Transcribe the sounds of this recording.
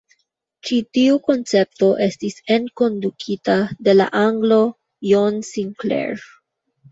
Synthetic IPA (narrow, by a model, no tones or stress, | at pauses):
t͡ʃitiuko̞nt͡se̞p̚to̞ʔe̞stise̞nko̞ndukʰitade̞la̰ʔaŋɡlo | jonsiŋklḛɹ